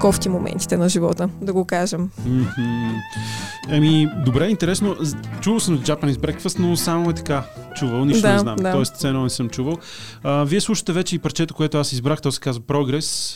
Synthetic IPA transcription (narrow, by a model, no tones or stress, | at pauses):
kɔft̪imomɛ̰̃nt̪i̥t̪ɛnɐʒivɔt̪əd̪ɐɡokaʒɛmm̩h̩ | ɛmid̪obɾɛint̪ɛɾɛsnot͡ʃuvəlˠsəmzd͡ʒapənizbɾɛkfəst̪nosamoɛt̪ɐ̥kat͡ʃuvəlˠniʃt̪d̪oanɛa̰mdt̪aɔɛst̪sɛnɔnɛsɤmt͡ʃuvəlˠ | əviɛslˠuʃə̥t̪ɛvɛt͡ʃɛipɾt͡ʃɛt̪o̥koɛt̪oasizbɾaxt̪ɔsɛ̥kazvəpɾɔɡɾɛs